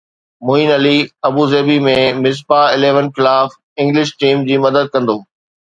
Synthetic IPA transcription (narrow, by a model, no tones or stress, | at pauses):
mʊinɐliɐbuːzeːbimẽmɪs̬paɪleːʋənxɪlaːf | ɪ̃ŋɡlɪʃʈiːmd͡ʑiːmɐd̪əd̪̚kɐ̃nd̪oː